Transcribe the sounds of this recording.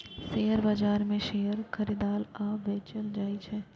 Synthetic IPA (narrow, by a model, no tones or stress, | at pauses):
seːəɾbad͡ʒaːɾmẽʃejəɾkʰɐɾid̪aːlaːpʋeːt͡ʃəld͡ʒaːit͡ʃʰɛ